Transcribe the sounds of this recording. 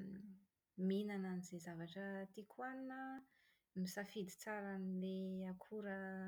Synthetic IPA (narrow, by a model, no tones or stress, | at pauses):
minananizezavaʈ͡ʂət̪ikʰwaninə | misafid̪it͡saɾanileakʰuɾə